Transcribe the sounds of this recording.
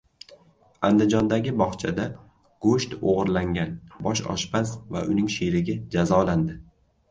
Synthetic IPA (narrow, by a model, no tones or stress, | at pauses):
and̪ɪd͡ʒɒnd̪aɡʲɪbɒχt͡ʃʰad̪a | ɡ̥oʃt̪oʁɨɾlaŋɡʲanbɒʃɒ̰ʃbasva̰ʔʊnɪŋʃeɾɪɡʲad͡ʒazɒland̪ɪ